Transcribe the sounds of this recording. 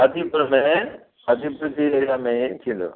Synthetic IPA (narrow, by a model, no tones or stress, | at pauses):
ɐd̪ʱipəɾmẽ | ɐd̪ʱipɾtiɐɾijamẽt̪ʰĩːn̆d̪o̰ː